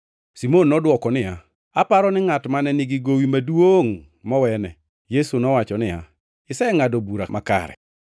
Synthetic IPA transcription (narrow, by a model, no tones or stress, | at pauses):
simonːɔdwɔkɔnɪja | apaɾɔnɪŋatmanɛnɪɡiɡowimadwoŋ | mɔwɛnɛ | jesunɔwat͡ʃɔnɪja̰ | ɪsɛŋadobuɾamaka̰ɾɛ̰